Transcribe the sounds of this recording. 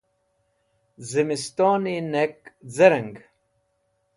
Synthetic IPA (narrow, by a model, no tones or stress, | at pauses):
zimist̪oːninekzɐɾɐŋɡ